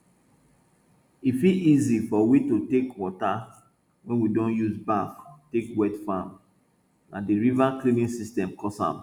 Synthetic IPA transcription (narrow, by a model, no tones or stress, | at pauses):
ifilizifɔwitutekwɔta | wɛ̃nwidõnjuzbaftekwɛtfãm | nã̰diɹivaklivĩnsistɛ̃mkɔsã̰m